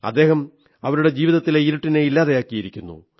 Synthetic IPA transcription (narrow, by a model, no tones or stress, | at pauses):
ɐ̰d̪ːe̞ːɦɐm | ɐʋɐɾuɽe̞d͡ʑiːʋiðɐt̪ːileiɾuʈːineilːaːðejaːkːijiɾikʲːunːṵ